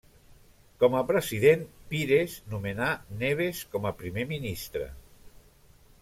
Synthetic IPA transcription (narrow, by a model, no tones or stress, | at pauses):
kɔməpɾəziðenpiɾeznumenaneβ̞eskɔməpɾimeminist̪ɾə̰